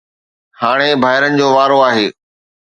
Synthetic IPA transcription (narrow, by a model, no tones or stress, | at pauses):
haːɽ̃ebʱaːɪɾənɪ̆d͡ʑoːʋaːɾoaːɦeː